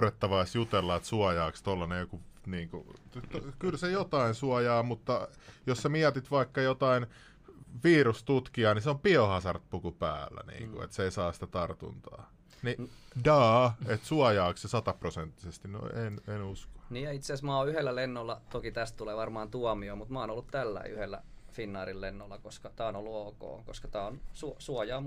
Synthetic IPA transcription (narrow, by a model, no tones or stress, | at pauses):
ret̪ːɑʋɑisjut̪elːɑet̪suɑjɑːkst̪olːɑnejokuniːŋkṵ | tkylsejot̪ɑinsuɑjɑːmut̪ːɑ | jossemiæt̪it̪ʋɑikːɑjot̪ɑin | ʋiːrust̪ut̪kiɑːniseompiohɑsɑrt̪̚pukupæ̰ːlːæ̰nḭːŋkṵḛt̪seisɑːsĭ̥t̪æt̪ɑrt̪ṵnt̪ɑ̰ː | nidɑːet̪suɑjɑːkssesɑt̪ɑprosent̪ːisest̪ino̰ḭenenusko̥niːjjɑit̪seæsmɑoyhelːælenːolːɑt̪okit̪æst̪t̪uleːʋɑrmɑːnt̪uɑmiomut̪mɑːnolːut̪t̪ælːæ̰ḭyhelːæ̰finːɑːrillenːolːɑkoskɑt̪æːonolːuoːko̰ːkoskɑt̪æːonsusuɑjɑːm